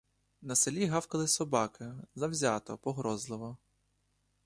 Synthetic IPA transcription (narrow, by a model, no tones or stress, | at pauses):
nɐselʲiɦɑwkɐlˠɪsɔbɑkɪzɐwzʲat̪ɔ̰pɔɦɾɔzlˠɪʋɔ